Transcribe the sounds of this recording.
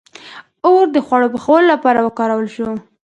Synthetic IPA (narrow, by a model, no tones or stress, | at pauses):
oɾd̪əxwaɽopəxawəlolapɑɾawəkɑɾawəlʃo